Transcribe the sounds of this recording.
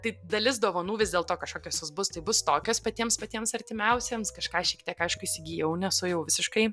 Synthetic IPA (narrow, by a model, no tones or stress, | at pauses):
t̪ɐɪd̪ɐlʲɪsd̪oːʋɐnuːʋʲɪzʲd̪ʲeːlˠt̪oːkɐʃkoːkʲoːsʲʊsbʊst̪ɐɪbʊst̪oːkʲoːspɐt̪ʲiɛmspɐt̪ʲiɛmsɐɾʲt̪ʲɪmʲɛʊsʲeːmskɐʃkɑːʃʲiɛk̚t̪ʲiɛkɐɪʃkʊɪsʲɪɡʲijɛʊnʲɛsʊjɛʊʋʲɪsʲɪʃkɐɪ